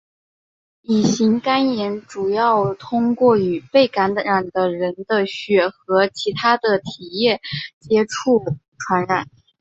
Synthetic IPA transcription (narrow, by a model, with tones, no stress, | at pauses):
i˨˩ɕi˧˥ŋka˥njɛ˧˥nʈ͡ʂu˨˩jɑ˥˩ʊt̪ʰʊ˥ŋkwɔ˥˩y˨˩pe˥˩ɪka˧˥nɻa˨˩nd̪ə˦ɻə˧˥nd̪ə˧ɕɥɛ˨˩xɤ˧˥t͡ɕʰi˧˥t̪ʰa˥d̪ə˨t̪ʰi˨˩jɛ˥˩t͡ɕjɛ˥ʈ͡ʂʰu˥˩ʈ͡ʂʰwa˧˥nɻa˨˩˦n